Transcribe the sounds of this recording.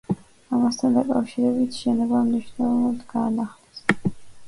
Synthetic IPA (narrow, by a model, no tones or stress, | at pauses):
amast̪ʰand̪akʼafʃiɾɛbit̪ʰʃɛnɔɡamniʃnavanɔt̪ʰɡaːnaχlɛs